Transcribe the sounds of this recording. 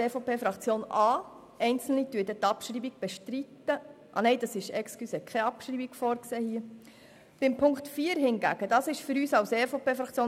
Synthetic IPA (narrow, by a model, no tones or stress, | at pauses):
eːfopeːfɾɑkt͡sjoːnɑː | ɛɪnt͡sl̩nityədɛt̪ɑpʃɾiːbiɡb̥ɛʃtɾitːə | ʔɑ̰nɛɪdɑsɪʃɛkskysɛkʰχɛɑpʃɾiːbiɡ̥fɔːɾkseːhiːə | b̥ɪmpʰʊŋktfiːəɾɦɪnɡæ̰ːɡ̥əd̥ɑːsɪʃfɵɾyːsɑwsɛfopeːfɾɑkt͡sjoː